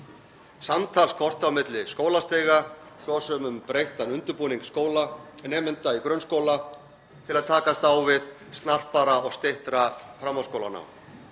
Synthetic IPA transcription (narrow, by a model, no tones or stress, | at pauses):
samt̪ʰalskʰɔr̥t̪awmɪt̪lɪskoːwlast̪eːɣasɔsœmʏmpɾejht̪anʏnt̪ʏɾpuːniŋkskoːwlanɛːmɪnt̪aikɾœnskoːwla | t̪ʰɪlaðt̪ʰaːkast̪awvɪð | st̪nar̥paɾaɔɣst̪ɪht̪ɾafɾamːawskowlana̰w